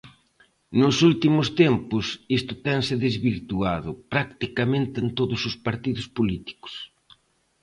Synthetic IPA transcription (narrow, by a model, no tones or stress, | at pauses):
nʊsult̪imʊst̪empʊsist̪ʊt̪ɛŋsɪðezβiɾt̪uaðʊpɾakt̪ikamẽnt̪ɪent̪oðʊsʊspaɾt̪iðʊspolit̪i̥kʊ̥s